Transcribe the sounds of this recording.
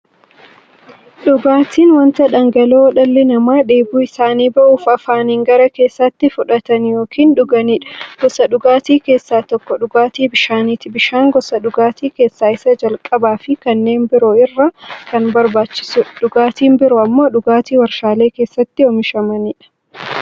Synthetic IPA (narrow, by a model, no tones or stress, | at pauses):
ɗʊɡaːt̪iːnwɐnt̪ɐᶑɐŋɡɐloːwɔᶑɐlːɛnɐmaːᶑe̞ːbuːɪsaːniːbɐʔuːfɐfaːniːŋɡɐɾɐke̞ːsːɐt̪ːɪfʊᶑɐt̪ɐnjoːkʰiːnᶑʊɡɐniːᶑɐ̥ɡ̥ɔsɐɗʊɡaːt̪iːke̞ːsːaːt̪ɔkːɔᶑʊɡaːt̪iːbɪʃaːniːt̪ɪbɪʃaːŋɡɔsɐɗʊɡaːt̪iːke̞ːsːaːɪsɐd͡ʒɐlkʼɐbaːfɪkɐnːe̞ːnbɪɾoɪrːɐkɐnbɐɾbaːt͡ʃːɪ̥sʊᶑʊɡaːt̪iːnbɪɾʊɐmːo̞ːᶑʊɡaːt̪iːwɐɾʃaːle̞ːke̞ːsːɐt̪ːɪɔmɪʃɐmɐniːᶑɐ̥